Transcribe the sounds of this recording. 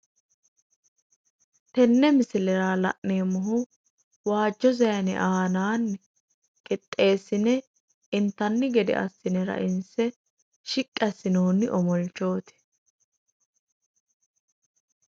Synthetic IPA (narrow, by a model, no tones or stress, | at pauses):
t̪ɛnːɛmɪsɪlɛɾaːlɐ̰ʔneːmɔɦʊ | waːd͡ʒːɔzɐjɐnɛ̰ʔaːnaːnːɛ | kʼɪt̪ʼːe̞ːsːɪnɛ | ɪnt̪ɐnːɪɡɛd̪ɛ̰ʔɐ̰sːɪnɛɾɐ̰ʔɪnsɛ | ʃɪkʼːɐsɪnoːnːɪʔɔmɔlt͡ʃːo̞ːt̪ɛ̥